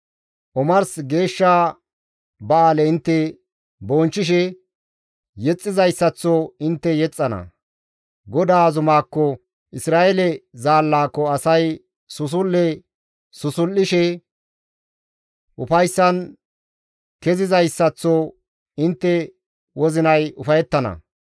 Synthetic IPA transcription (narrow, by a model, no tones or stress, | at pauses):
ʔɔmɐɾsɡe̞ːʃːaː | bɐaːlɛɪnt̪ːɛ | bɔːnt͡ʃːɪʃ̬ɛ | jɛt͡sʼːɪzɐjsːɐt͡sːɔɪnt̪ːɛjɛt͡sʼːɐnɐ̰ | ɡɔd̪aːzʊmaːkːɔ | ʔɪsɾaːɛlɛzaːlːaːkːɔɐsɐj | sʊs̬ʊlːɛ | sʊsʊlːɪʃɛ | ʔʊfɐjsːɐn | kɛzɪzɐjsːɐt͡sːɔ | ɪnt̪ːɛ | wɔzɪnɐjʊfɐjɛt̪ːɐnɐ̰